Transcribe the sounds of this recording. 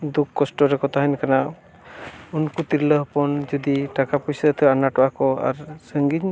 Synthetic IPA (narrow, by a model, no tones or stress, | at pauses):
d̪ukːɔsʈɔɾɛkɔt̪ʰaɦɛnkana | unkut̪iɾləɦpɔnd͡ʒɔd̪iʈakapujsət̪ʰəanaʈɔakɔa̰ɾsəŋɡiɲ